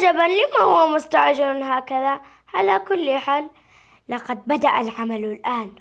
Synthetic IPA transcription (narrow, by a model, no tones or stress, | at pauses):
d͡ʒabanlɪmahʊwːamʊst̪aʕd͡ʒɪɾnɦaːkaða | ʕalakʊlːħaːlː | ɑqɑd̪̚bad̪aʔalʕamallʔaːn